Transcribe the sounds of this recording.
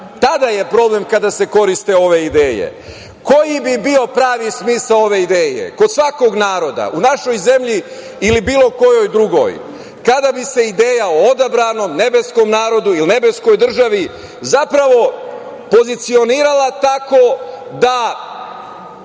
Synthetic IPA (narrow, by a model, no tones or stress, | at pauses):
t̪ad̪aje̞pɾo̞ble̞mkad̪ase̞ko̞ɾist̪eo̞ʋe̞id̪e̞ːjḛ | ko̞jibibio̞pɾaːʋismiːsao̞ʋe̞id̪eːjḛko̞d̪sʋako̞ɡnaːɾo̞d̪a̰ʔunaʃo̞jze̞mʎi | ilibiːlˠo̞ko̞jo̞jd̪ɾuɡo̞̰j | kad̪abise̞id̪eːjaood̪abɾano̞mne̞be̞sko̞mnaːɾo̞d̪uiline̞be̞sko̞jd̪r̩ʒaʋi | zapɾaʋo̞ | po̞zit̪sio̞niːɾalˠat̪akod̪a